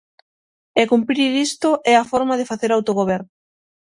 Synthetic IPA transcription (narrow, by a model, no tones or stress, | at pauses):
ekumpɾiɾist̪oʔɛafɔɾmað̞efaθeɾawt̪oɣoβ̞ɛɾnʊ